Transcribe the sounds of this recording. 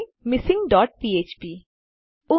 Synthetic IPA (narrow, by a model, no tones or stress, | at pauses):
mɪsɪ̃ŋɡɖɔːʈ̚piːeːt͡ʃpiː | ʊ